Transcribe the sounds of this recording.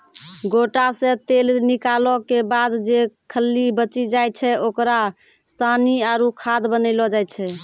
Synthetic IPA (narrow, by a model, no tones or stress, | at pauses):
ɡoʈasẽt̪elnikalɔkebad̪d͡ʒekʰəlːibət͡ʃid͡ʒaj̪̚t͡ʃʰɛokɾa | st̪ʰaniaɾukʰad̪bənəɪlɔd͡ʒajt̪t͡ʃʰɛ